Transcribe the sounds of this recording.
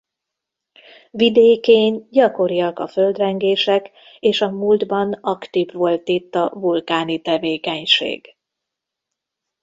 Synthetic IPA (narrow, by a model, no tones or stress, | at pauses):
vid̪eːkeːɲɟɒko̞ɾijɒkɒføld̪rɛŋɡeːʃɛk | eːʃɒmuld̪bɒnɒkt̪ivʋo̞lt̪it̪ːɒvulkaːnit̪ɛveːkɛɲʃḛːɡ̥